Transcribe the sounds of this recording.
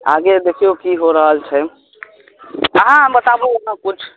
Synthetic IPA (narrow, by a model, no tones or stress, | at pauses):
a̰ɡed̪ekʰijokiɦoɾəɦəlt͡ʃʰɛ | əɦãbət̪abeɦãkut͡ʃʰ